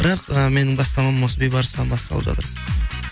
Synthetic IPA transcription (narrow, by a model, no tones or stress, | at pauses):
b̥əɾɑqəme̞nɪŋbɑst̪ɑmɑmːosəbejbɑɾəsənɑnbɑst̪ɑ̰lˠəpʒɑ̰t̪əɾ